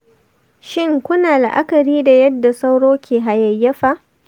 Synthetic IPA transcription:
ʃɪ˦ŋkʷʊ˦naː˨la˨ʔa̰˦kɐ˨ɾiː˦da˨jɐ˦dːa˨sa˦wɽoː˦kʲʰeː˨ɦa˨jɐ˨jːɐ˦ɸa˦ʔ

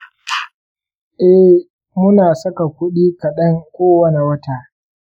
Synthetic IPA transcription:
ʔɛ˦ | mʊ˦naː˨sɐ˦ka˨kʷʊ˦ɗiː˦kɐ˨ɗɐ˦ŋkʷoː˦wɐ˦ne˨wɐ˦taː˨ʔ

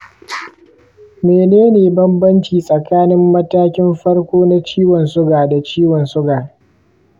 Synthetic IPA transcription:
meː˨neː˦neː˨bɐ˦mbɐ˦nt͡ʃiː˨sʼɐ˨kaː˦nɪ˦mːɐ˦taː˦kʲɪ˦mɸɐ˦ɽkʷoː˦na˦t͡ʃiː˦wɔ˨nsʊ˦ɡaː˨da˨t͡ʃiː˦wɔ˨nsʊ˦ɡaː˨

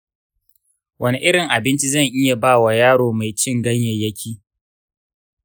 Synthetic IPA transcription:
wʔɐ˦ni˦ʔɪ˦ɽɪ˨ŋʔa˨bɪ˦nt͡ʃi˦zɐ˦˨ŋʔɪ˦ja˨baː˦wa˨jaː˦ɽoː˨ma˨jt͡ʃɪ˦ŋɡɐ˦ɲjɛ˨jɐ˦kʲʰiː˦

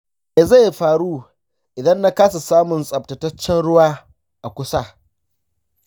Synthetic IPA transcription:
me˨za˦˨jɸaː˨ɽuː˦ | ʔɪ˨dɐ˦nːa˦kaː˦su˨saː˦mʊ˨nsʼɐ˨p̚tɐ˨tɐ˦t͡ʃːɛ˦nɽʊ˦waː˦ | ʔa˨kʷʊ˦sa˦

